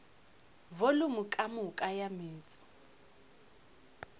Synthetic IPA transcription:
volʊmʊkʼamʊkʼajameːt͡sʼɪ̥

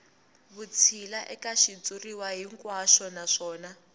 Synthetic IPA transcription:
βut͡sʰilaʔɛkaʃit͡suriwaɦiŋkwaʃɔnaʂɔːna

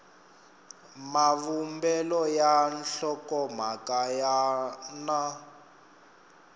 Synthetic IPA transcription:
mavumbɛlɔjanɬɔkɔm̤akajana

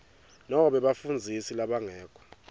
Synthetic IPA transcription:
nɔɔɓɛɓafund͡zʱisilaɓaŋɛːkʰʼɔ̥

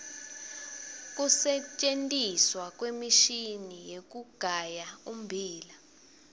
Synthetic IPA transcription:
k̬ʼusɛt͡ʃʼentʼiswak̬ʼwemiʃinijek̬ʼuɡ̥ʱajaum̩bʱiːla

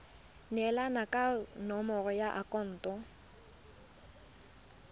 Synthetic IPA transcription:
nɛlanakʼanɔmɔrɔjaʔakʼɔn̩ːtʼɔ

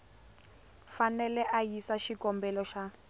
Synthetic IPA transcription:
fanɛlɛʔajisaʃikɔmbɛlɔʃa

